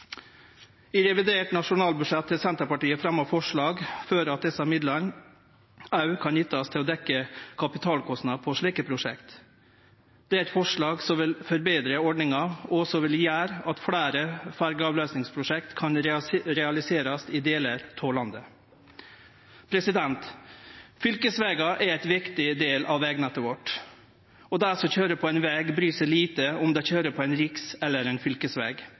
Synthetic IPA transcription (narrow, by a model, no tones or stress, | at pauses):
ɪɾɛʋɪd̪eːʈnɑʂʊnɑːlbʉdʂɛt̪ʰːɪlsɛnt̪əɾpɑʈiːəfɾɑmːɔfɔʂɭɑːɡføːɾɑt̪̚d̪ɛsɑmɪd̪lən | ɑʉkʰɑnjɪt̪ːɑst̪ʰɪlɔːd̪ɛkːəkʰɑpɪt̪ʰɑːlkʰɔsnɑd̪pʰɔʂɭiːkəpʰɾʊʂɛ̰kt̪ | d̪̥ɛæɪt̪fɔʂɭɑːɡsɔmʋɪlfɔɾbeːd̪ɾəɔɖɳɪŋɑɔsɔʋɪljæːɾɑt̪fɽæːɾəfæɾɡəɑːʋløːsnɪŋspʰɾʊʂɛkt̪kʰɑnɾɾɛɑlɪseːɾɑsɪd̪eːləɾt̪ʰoːlɑnd̪ə | pʰɾɛsɪd̪ɛnt̪ | fʏlkəsʋɛːɡɑʔæɾæɪt̪ʋɪkt̪ɪd̪eːlʔɑʋʋɛːɡnɛt̪əʋɔʈː | ɔd̪æsɔçøːɾəpʰɔɛɪnʋɛːɡbɾyːsəliːt̪əɔmd̪ɛçøːɾəpʰɔɛɪnɾɪksɛlːəɾɛɪnfʏlkəsʋɛːɡ